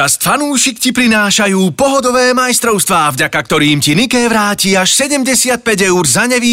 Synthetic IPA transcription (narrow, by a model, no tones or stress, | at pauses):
ast̪fanuːʃikcipɾinaːʃajuːpɔɦɔd̪ɔʋɛːmajst̪ɾɔʊst̪ʋaːvɟakakt̪ɔɾiːmcinikɛːʋɾaːciaʃsɛɟɛmɟɛsɪat̪̚pɛɟɛuɾzaɲɛʋiː